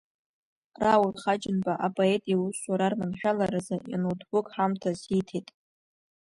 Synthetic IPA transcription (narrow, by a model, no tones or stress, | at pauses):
rawʊlχad͡ʒɪnbaʔapʼoetʼjauswaɾarnamħᶣalaɾazaja̰nodbʊkʼħamtʰasitʰejtʼ